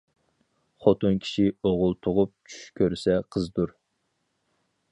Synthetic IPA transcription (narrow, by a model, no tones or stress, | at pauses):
χot̪unkʲʰi̥ʃioʁʊlˠt̪ʰʊʁʊp̚t͡ʃʰy̥ʃkʲʰøɾsɛqʰəzd̪uɾ